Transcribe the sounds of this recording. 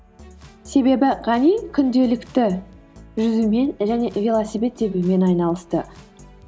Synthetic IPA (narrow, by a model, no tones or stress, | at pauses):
se̞be̞bɪʁɑnijkʲʰʏnd̪e̞lɪkt̪ɪ | ʒʏzume̞nʒæne̞vʲelˠasibe̞t̪ːebume̞nɑjnɑlˠəst̪ə